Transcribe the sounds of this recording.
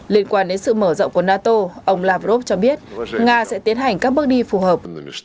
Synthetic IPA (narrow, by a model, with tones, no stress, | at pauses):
li˧ənkwaː˧nɗe˨˦nsɨ̰˧˨məː˧˩zə̰˧˨wŋ͡mku˧˩ənaː˧t̪o˧ʔə˧wŋ͡mlaː˧˩vo˦˥p̚t͡ɕɔ˧ɓi˦˥ət̚ŋaː˧sɛ̰˧˥t̪i˨˦ənɦa˨˩jŋ̟kaː˦˥k̚ɓɨ˦˥k̚ɗi˧fu˧˩həː˨˩p̚